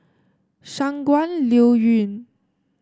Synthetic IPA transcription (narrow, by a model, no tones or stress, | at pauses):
saŋkwanljowyn